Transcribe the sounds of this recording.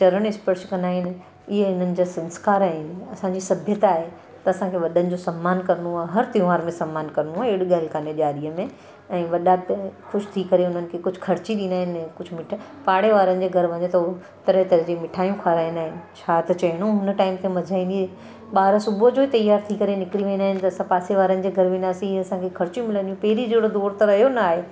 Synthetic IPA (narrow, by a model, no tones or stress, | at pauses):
t͡ɕɐɾəɽ̃ɪspəɾʃkɐ̃nd̪aːɦɪn | ɪɦeɪn̤ənɪ̆d͡ʑasɐ̃nskaːɾaːɦɪnɐsãɲd͡ʑisɐbʱjət̪aːɦe | t̪ɐːsãkʰeʋɐɗənɪ̆d͡ʑoːsɐmːaːnkɐɾnuaːɦɐɾt̪ĩʋaːɾmẽsɐmːaːnkɐɾnũaːɦɪɽɠaːlkʰaːneʄaːɾiəmẽ | ɛ̃ːʋɐɗakʊt͡ʃʰt̪ʰikɐɾeʊn̤ənɪ̆kʰekʊd͡ʑʱʊkʰɐɾt͡ɕiɗĩːnd̪aːɦɪnɛ̃ːkʊd͡ʑʱʊmɪʈʰ | paːɽeʋaːɾənɪ̆d͡ʑeːɡʱɐɾʋɐɲet̪ɐ | t̪ɐɾəɦt̪ɐɾd͡ʑemɪʈʰaːjũkʰaːɾaːĩnaːɦɪnɪ̆t͡ɕʰaːt̪ɐt͡ɕɐɦɪɽ̃õɦʊnʈaːɪmt̪ʰemɐd͡ʑʱaːĩːni | ɓaːɾsʊbʱod͡ʑoːɦit̪ɐjaːɾt̪ʰikɐɾenɪkɾiʋẽːnd̪aːɦɪnɪ̆t̪ɐɐsãpaːseʋaːɾənɪ̆d͡ʑeːɡʱɐɾʋẽːnd̪aːsĩɦiɐsãkʰekʰɐɾt͡ɕjũmɪlənijũpɐɦɾid͡ʑeːɽod̪oːɾt̪ɐɾɐɦjonɐaːɦe